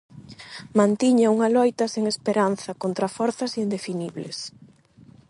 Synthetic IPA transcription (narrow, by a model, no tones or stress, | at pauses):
mãnt̪iɲauŋɐlɔjt̪ɐseŋespeɾanθɐkont̪ɾɐfɔɾθɐsind̪efiniβles